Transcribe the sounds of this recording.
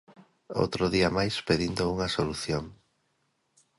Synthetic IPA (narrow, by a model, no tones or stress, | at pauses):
o̰wt̪ɾoðiɐmajspeðind̪ouŋɐsoluθjoŋ